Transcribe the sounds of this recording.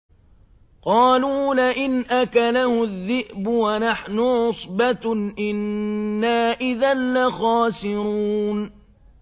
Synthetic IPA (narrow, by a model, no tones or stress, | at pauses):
qɑːluːlaʔɪnʔakalahʊðːɪʔbʊwanaħnʊʕʊsˤbat̪ʔɪnːaːʔɪðanlaxɑːsɪɾuːn